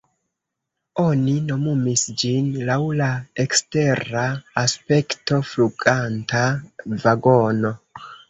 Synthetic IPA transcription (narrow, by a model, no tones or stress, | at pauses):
o̞nino̞mumisd͡ʒinlawlaekste̞ɾaːspe̞kto̞fluɡantavaɡo̞no̞